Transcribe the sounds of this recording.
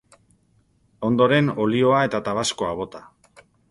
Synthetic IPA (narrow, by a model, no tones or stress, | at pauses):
o̞nd̪o̞ɾe̞no̞lio̞ae̞t̪at̪aβasko̞aβo̞t̪a